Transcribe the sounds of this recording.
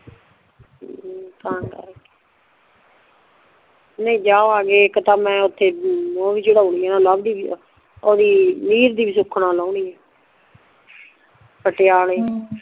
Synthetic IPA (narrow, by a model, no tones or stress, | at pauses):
t̪ãːŋkə̰ɾke̥ | neĩːd͡ʒaːoːaːɡeːkt̪aːmɛ̃ːʊt̪ʰːeːoːbiːt͡ʃəɽaːuniːɛːnaːləb̚d̪iːi | oːd̪iːniːɾd̪iːbiːs̬ʊkʰnãːlaːuɳiːɛː | pəʈejaːleː